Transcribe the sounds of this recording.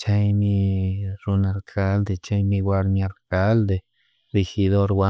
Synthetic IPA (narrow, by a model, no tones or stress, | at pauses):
t͡ʃajmiɾunaɾkʰald̪et͡ʃajmiɡʷaɾɲaɾkald̪e | ɾixid̪oɾwʷa